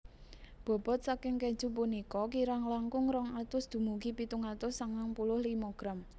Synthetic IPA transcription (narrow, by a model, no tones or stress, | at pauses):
b̥ɔ̤b̥ɔ̤t̪̚sakɪŋkɛ̥d͡ʒ̥ṳp̬unikɔkiɾaŋlaŋkʊŋɾɔŋat̪ʊsd̪̥ṳmuɡipit̪uŋat̪ʊsaŋaŋpulʊhlimɔɡ̥ɾam